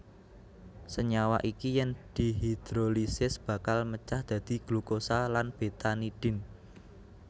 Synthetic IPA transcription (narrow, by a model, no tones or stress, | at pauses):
səɲawaʔikijɛŋd̪̥i̤ɦid̪̥ɾolisɪsb̥ä̤kalmət͡ʃahd̪̥ä̤d̪̥i̤ɡ̥lukosalanb̥et̪aniɖ̥ɪ̤n